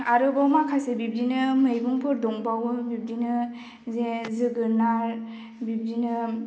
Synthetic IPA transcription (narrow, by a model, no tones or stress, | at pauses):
aɾɯbawmakʰasebib̚dinɯmɯjbuŋpʰɯɾdɔŋbawbib̚dinɯ | zezɯɡɯɾnaɾ | bib̚dinɯ